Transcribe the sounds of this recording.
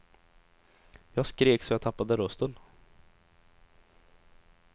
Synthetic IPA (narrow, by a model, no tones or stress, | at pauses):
jɑːɡskɾeːksɔjɑːt̪ʰapːad̪əɾɵst̪ən